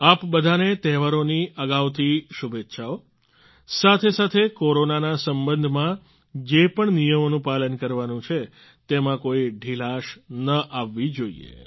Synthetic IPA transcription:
apbəd̪ʱanet̪ɛɦʋaɾoniəɡaʋt̪ʰiʃubet̪ːʃʰao | sat̪ʰesat̪ʰekoɾonanasəmbənd̪ʱmã | d͡ʒepəɳnijəmonũpalənkəɾʋanũt͡ʃʰe | t̪emãkoiɖʱilaʃnəʔaʋːid͡ʒoḭḛ

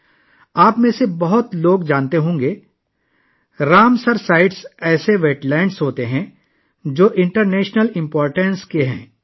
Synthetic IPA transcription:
aːpmẽsebɐɦʊt̪loːɡd͡ʒãːnt̪eɦõːŋɡeː | ɾaːmsəɾsaːɪʈsɛːseʋeːʈlɛ̃ːɳɖsɦoːt̪eɦɛ̃ | d͡ʒoːʔɪ̃ɳʈəɾnɛːʃnəlɪ̃mpɔːɾʈə̃nskeɦɛ̰̃ː

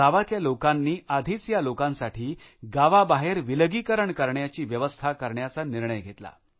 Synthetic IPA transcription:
aʋat̪ljalokanːiːad̪ʱiːt͡sjalokãnsaʈʰiː | ɡaʋabaɦeɾʋiləɡikəɾəɳkəɾɳjat͡ɕiːʋjəʋəst̪ʰakəɾɳjat͡saniɾɳəjɡʱet̪la̰

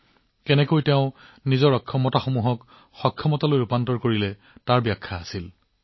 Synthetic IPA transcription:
kɛnɛkojteʊ̃nizɔɹɔkʰːɔmɔtaxomuɦɔk | xɔkʰːɔmɔtalojupantɔɹkoɹilɛ | taɹbjakʰːaːsil

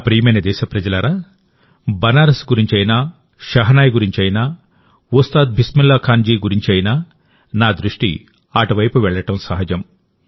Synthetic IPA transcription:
pɾiːmɐnɐd̪ɛːʃɐpɾɐd͡ʒɐlɐɾaː | bɐnaːɾɐsɡuɾiɲt͡ʃɐjnaː | ʃɐɦɐnaːjɡuɾiɲt͡ʃɐjnaː | ust̪aːd̪̚bʱismilːɐkʰaːnd͡ʒiːɡuɾiɲt͡ʃɐjnaː | naːd̪ɾuʂʈḭ | aːʈuʋɐjpuʋɛɭːɐʈɐmsɐɦɐd͡ʒɐm

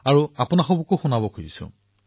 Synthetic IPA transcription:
aɹuapʊnaxobukoxunabɔkʰojḭsʊ̰̃

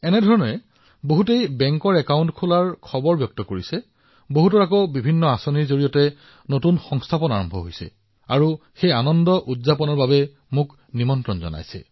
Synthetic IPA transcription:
ɛnɛdʱɔɹɔnɔɛ | boɦutejbɛŋkɔɹɛkawntkʰulaɹkʰɔbɔɹbjɔk̚tɔkoɹisɛ | boɦutɔɹakɔbibʱinːɔasɔniɹzoɹijɔtɛ | notunxɔŋstʰapɔna̰ɹɔmbʱɔɦojsɛ̰ | aɹuxejanɔndɔʔutzapɔnɔɹbabɛ | mʊk | nimɔntɹɔnzɔ̰na̰jsɛ̰

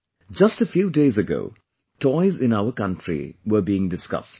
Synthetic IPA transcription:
d͡ʒʌstəfjuːdeɪzɨɡo̰ʊ | tʰɔɪzɪ̃naʊəkʌ̃ntɹḭʋə˞biːɪ̃ŋdɪskʌ̰st

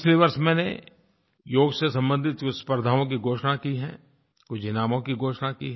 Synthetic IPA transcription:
ɪt͡ʃleʋɐɾʃmɛ̃ːnḛ | joːɡsesɐ̃mbə̃nd̪ʱɪt̪kʊspəɾd̪ʱaːõk̬iɡʱoːʃnakiɦɛ̰̃ː | kʊd͡ʒʱinaːmõkiɡʱoːʃnakiɦ

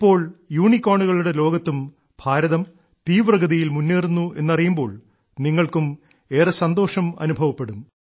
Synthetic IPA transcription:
ipːo̞ːɭjuːɳikʲːoːɳuɣɐɭuɽe̞lo̞ːɡɐt̪ːum | bʱaːɾɐðɐm | t̪iːʋrɐɣɐðijilmunːeːrunːue̞̰nːɐrijumbo̞̰ːɭ | niŋːɐɭkum | e̞ːrɐsɐnd̪o̞ːʂɐmɐ̰nubʱɐʋɐpːe̞ɽum

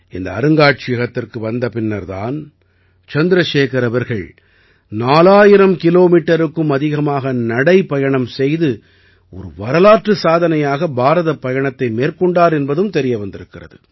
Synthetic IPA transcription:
ɪnd̪ɐ̰ɐ̰ɾɯŋɡaːʈ̚t͡ʃɪjɐɣɐt̪ːɪrkɯʋɐnd̪ɐpɪnːɐɾða̰ːn | t͡ʃɐnd̪ɪɾɐʂeːkɐɾɐʋɐɾɣɐɭ | naːlaːjɪɾɐmkɪloːmiːʈːɐɾɯkːɯmɐðɪɣɐmaːɣɐnɐɽɐɪpɐjɐɳɐmsɛjðɯ | ɔ̰ɾɯʋɐɾɐlaːʈrɯsaːðɐnɐjaːɣɐbaːɾɐðɐpɐjɐɳɐt̪ːɐɪmeːrkɔɳɖaːɾɛnbɐðɯmt̪ɛɾɪjɐʋɐnd̪ɪɾɯkːɪrɐ̰ðɯ̰

